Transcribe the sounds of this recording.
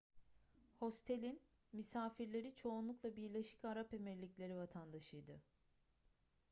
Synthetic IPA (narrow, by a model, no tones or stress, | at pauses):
ho̞st̪ʰe̞lʲin | misaːfiɾlʲe̞ɾit͡ʃʰo̞unlˠuklˠabiɾlʲe̞ʃi̥caɾape̞mɛɾlʲiclʲe̞ɾivat̪ʰand̪aʃɯjd̪ɯ